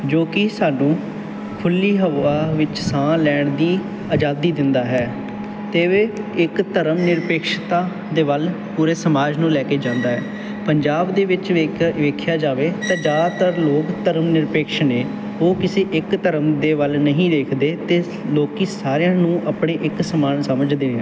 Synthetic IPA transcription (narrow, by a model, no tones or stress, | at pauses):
d͡ʒoːkɪsaːnũː | kʰʊlːiːɦəʋaːʋɪt͡ʃsãːlɛːɳd̪iː | aːd͡ʒaːd̪iːd̪ɪnd̪aːɦɛː | t̪eːʋeːɪkt̪əɾəmnɪɾpeːkʃt̪aː | d̪eːʋəl | puːɾeːsəmaːd͡ʒnũːlɛːkeːd͡ʒãːnd̪aːɦɛː | pəɲd͡ʒaːbd̪eːʋɪt͡ʃʋeʋeːkʰjaːd͡ʒaːʋeːt̪ãːd͡ʒaːt̪əɾloːkt̪əɾəmnɪɾpeːkʃneː | oːkɪseːʔɪkt̪əɾəmd̪eːʋəlnəɦĩːd̪eːkʰd̪eːt̪eː | loːkiːsaːɾejãːnũːʔəpɳeːʔɪksəmaːnsəməd͡ʒd̪eːãː